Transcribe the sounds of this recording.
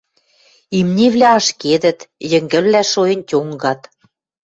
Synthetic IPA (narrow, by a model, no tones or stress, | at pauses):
imnʲiβlʲæɑʃked̪ə̆t̪jə̆ŋɡə̆llæʃoĕnʲtʲoŋɡɑt̪